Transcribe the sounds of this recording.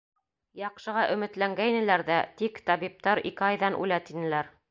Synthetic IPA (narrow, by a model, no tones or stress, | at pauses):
jɑqʃɤ̆ʁɑʔɵ̆mɘ̆t̪læŋɡæjnɘ̆læɾðæt̪ikt̪ɑβip̚t̪ɑɾḭkɘɑjðɑnʔṵlæt̪inɘ̆læɾ